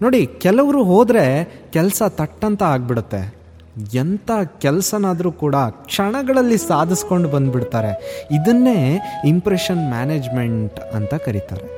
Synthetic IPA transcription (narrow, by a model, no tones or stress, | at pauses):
no̞ːɽikɛlɐʋɐɾuːɦoːd̪ɾe̞kɛlɐsɐt̪ɐʈːɐnt̪ɐaːɡ̚biɽut̪ːe̞̰ | ɛnt̪aːkɛlɐsɐnaːd̪ɐɾuːkuːɽɐkʂɐɳɐɡɐɭɐlːisaːd̪ʱisko̞ɳɖubɐnd̪biɽt̪aːɾe̞id̪ɐnːe̞ːimpɾeʂɐnmjaːneːd͡ʒme̞ɳʈɐnt̪ɐkɐɾit̪a̰ːɾe